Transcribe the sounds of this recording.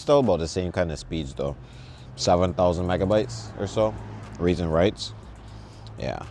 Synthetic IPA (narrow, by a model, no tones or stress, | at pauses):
sðoʊbʌt̪̚ðɨsẽɪ̃mkʰãɪ̃ndʌv̥spidzðoʊ | sɛvə̃nθaʊzə̃nmaɪɡəbaɪtsʔə̰˞soʊɹizə̃nɹaɪts | jæ̰